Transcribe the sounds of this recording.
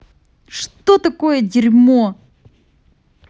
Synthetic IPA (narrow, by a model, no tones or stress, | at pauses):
ʂt̪ot̪ɐkojədʲɪɾʲmo